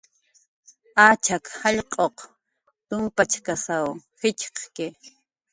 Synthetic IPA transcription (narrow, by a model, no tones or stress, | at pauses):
aːt͡ʃakhɑʎqʼoq | t̪ʊmpat͡ʃkasawxɪt͡ʃqkɪ